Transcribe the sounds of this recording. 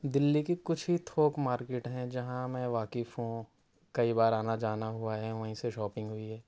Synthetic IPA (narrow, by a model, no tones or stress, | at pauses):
d̪ɪlːikikʊt͡ʃʰɦit̪ʰoːkmaːɾkeːʈɦɛ̃d͡ʒɐɦãmɛ̃ʋaːkɪfɦũ | kɐibaːɾaːnad͡ʒaːnaɦʊaɦɛ̃ʋɐɦĩseʃɔːpɪ̃ŋɡɦʊiɦɛː